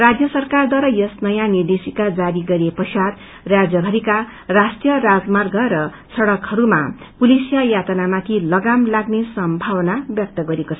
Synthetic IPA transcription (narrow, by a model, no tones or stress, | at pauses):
rad͡zjʌsʌrkard̪waɾʌjʌsnʌjanird̪esikad͡zaɾiɡʌɾepʌsad̪ | rad͡zjʌbʱʌɾika | rasʈijʌrad͡zmarɡʱʌɾʌ | sʰʌɽʌkhʌɾuma̰ | pulisijajat̪ʌnamãt̪ʰilʌɡamlaɡnesʌmbʱawʌnabjʌk̚t̪ʌɡʌɾekot͡sʰʌ